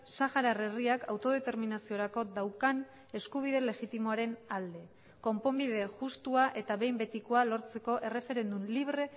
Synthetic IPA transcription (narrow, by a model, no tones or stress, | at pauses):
saxaɾare̞riakawt̪o̞ð̞e̞t̪e̞ɾminasio̞ɾako̞d̪awkan | e̞skuβ̞iðe̞le̞ɣit̪imoaɾe̞nald̪e̞ | ko̞mpo̞mbiðe̞ʝust̪uaʔe̞t̪aβe̞jmbe̞t̪ikoalo̞ɾt͡se̞ko̞ʔe̞re̞fe̞ɾe̞nd̪umliβɾe̞